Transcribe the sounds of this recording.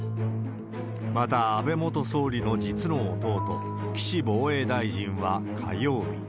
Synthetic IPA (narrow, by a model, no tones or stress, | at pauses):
mat̪aːbe̞mo̞t̪o̞so̞ːɾʲino̞d͡ʑit͡sɨno̞ːt̪o̞ːt̪o̞ | kʲi̥ɕibo̞ːe̞ːd̪aiʑĩɰ̃βakʰajo̞ːbʲḭ